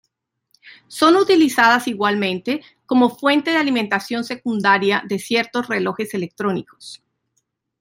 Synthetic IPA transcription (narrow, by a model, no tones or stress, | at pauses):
so̞nut̪ilisaðasiɣwalmẽ̞nt̪e̞ | ko̞mo̞fwe̞nt̪e̞ð̞ealiment̪asjo̞nse̞kund̪aɾjaðe̞sje̞ɾt̪o̞sre̞lo̞xe̞se̞lek̚t̪ɾo̞niko̞̥s